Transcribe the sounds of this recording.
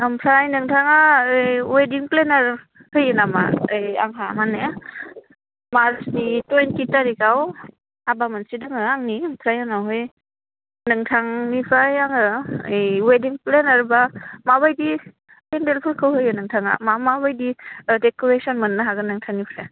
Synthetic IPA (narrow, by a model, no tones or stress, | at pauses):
ampʰɾajnɯŋtʰaŋaɯjwediŋplenaɾ | hɯjɯnama̰ɯja̰ŋɦamanːaa | maɾsnitojntitaɾikaw | abamɯnsidɯŋɯaŋnimpʰɾajanawɦɯj | nɯŋtʰaŋnipʰɾajaŋɯɯjwediŋplenaɾbamaβajdi | kendelpʰɯɾkʰɯwɦɯjɯnɯŋtʰaŋa̰mamabajdidekoɾesɔnmɯnːaɦaɡɯnɯŋtʰaŋnipʰɾaj